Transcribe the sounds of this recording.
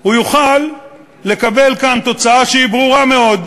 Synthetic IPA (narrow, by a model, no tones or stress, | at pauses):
ujuχalː | e̞kabe̞lkant̪o̞t͡saaʃeibʁuʁame̞o̞d̪